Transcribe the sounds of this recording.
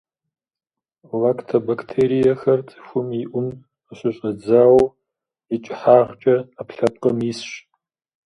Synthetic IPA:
vaːktʰɐbakʰtʰeːɾijɐxɐrt͡sʼɨ̥xʷʊmiʔʷʊm | əɕɪɕʼɐd͡zaːw | it͡ʃʼɪħaːʁt͡ʃʼɐapɬɐp̚qɐmisɕ

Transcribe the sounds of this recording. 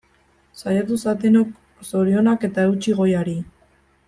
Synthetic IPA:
sajat̪̬usat̪̬enok | so̞ɾio̞nake̞t̪aewt͡ʃiɣo̞jaɾi

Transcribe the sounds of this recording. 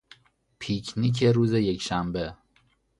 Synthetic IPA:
pʰicʰnic̬ʰeɾuːzeje̞cʰʃæmbe

